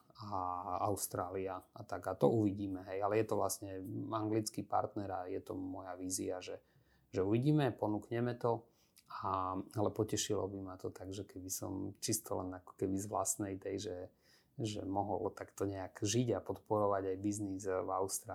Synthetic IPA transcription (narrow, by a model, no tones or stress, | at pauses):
aaʊst̪ɾaːliaat̪aɡat̪ɔ̰uʋiɟiːmɛɦɛjalɛjɛt̪ɔʋlasɲɛaŋɡlit͡skipa̰ɾt̪nɛɾajɛt̪ɔ̰mɔjaʋiːziaʒɛ | ʒɛuʋiɟiːmɛpɔnukɲɛmɛt̪ɔ | aalɛpɔcɛʃilɔ̰bimat̪ɔt̪aɡʒɛkɛbisɔ̰mt͡ʃist̪ɔ̰lɛ̰nakɔ̥kɛbizʋla̰snɛjt̪ɛjʒɛ | ʒɛ̰mɔɦɔ̰lt̪akt̪ɔɲɛaɡʒiɟapɔt̪pɔɾɔʋaɟajbiznizvaʊst̪ɾa